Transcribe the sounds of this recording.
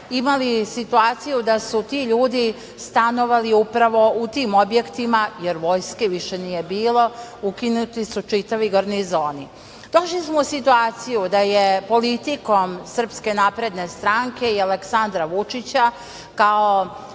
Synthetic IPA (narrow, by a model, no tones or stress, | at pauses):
imalisit̪uaːt̪sijud̪asut̪iːʎuːd̪i | st̪ano̞ʋaliupɾaʋo̞ut̪iːmo̞bje̞kt̪imajeɾʋo̞jskeʋiʃenije̞biːlo̞ukinut̪isut͡ʃit̪aʋiɡoɾnizoːni | d̪̥o̞ʃlismousit̪uaːt̪sijud̪ajepo̞lit̪iko̞msər̩pske̞napɾe̞d̪ne̞st̪ɾaŋke̞ialeksand̪ɾaʋut͡ʂit͡ɕa | kao